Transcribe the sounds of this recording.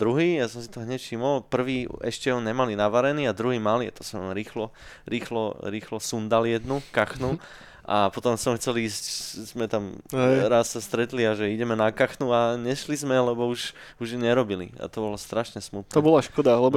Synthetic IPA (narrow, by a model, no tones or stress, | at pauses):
d̪ɾuɦiːjasɔmsit̪ɔɦɲɛcfʃimɔlpr̩ʋiːɛʃcɛɦɔɲɛmalinaʋaɾɛniːad̪ɾuɦiːmaliɛt̪ɔ̥sɔɾiːxlɔ | ɾiːxlɔɾiːxlɔsund̪aljɛd̪nukaxnu | ʔa̰pɔt̪ɔmsɔmxt͡sɛliːsczmɛt̪amɾasːast̪ɾɛt̪liaʒɛiɟɛmɛnakaxnuaɲɛʃlizmɛlɛbɔuʒ | uʒɲɛɾɔbilḭa̰t̪ɔbɔlɔst̪ɾaʃɲɛsmut̪̚nɔbɔlaʃkɔd̪alɛbɔ